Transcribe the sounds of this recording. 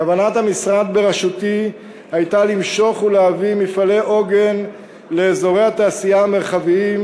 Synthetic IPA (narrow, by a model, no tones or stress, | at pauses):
avanat̪hamisʁad̪be̞ʁaʃut̪i | hajtalimʃo̞χuleavimifaleʔo̞ɡe̞n | le̞ːzo̞ʁejhat̪aːsijaameʁχaviim